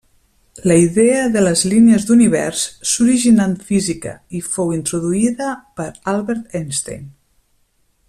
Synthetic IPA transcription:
ləiðeəðələzliniəzd̪uniβ̞ɛ̰ɾsːuɾiʒinanfizikə̰ifowint̪ɾuðuiðəpəɾalˠβɛɾt̪enst̪ḛjn

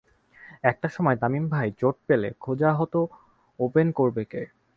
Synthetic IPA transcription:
ɛk̚ʈaʃɔmɔet̪amimbʱajt͡ɕoʈ̚pelḛkʰod͡ʑaɦot̪o | openkoɾbeke

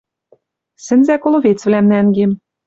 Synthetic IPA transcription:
sɘ̆nzækolˠoβet͡svlæmnæŋɡem

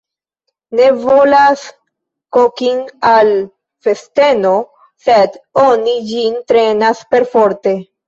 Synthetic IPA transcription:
ne̞vo̞las | kokinal | fe̞ste̞no̞ | sedo̞nid͡ʒintɾe̞naspe̞ɾfo̞ɾte̞

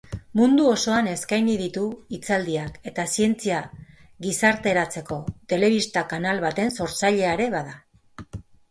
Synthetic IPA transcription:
mund̪uo̞so̞ane̞skajniðit̪uit͡sald̪iake̞t̪asie̞nt͡sia | ɡisaɾt̪e̞ɾat͡se̞ko̞t̪e̞le̞β̞ist̪akanalβat̪e̞nso̞ɾt͡saʎe̞aɾe̞βaða

